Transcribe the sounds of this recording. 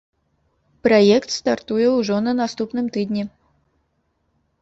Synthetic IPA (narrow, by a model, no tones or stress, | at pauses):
pɾajɛkt̪st̪art̪ujɛwʐɔnɐnast̪upnɨmt̪ɨd̪ʲnʲɛ